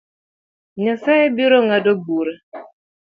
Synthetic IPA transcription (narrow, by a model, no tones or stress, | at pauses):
ɲɔsaɛbiɾoŋadobuɾa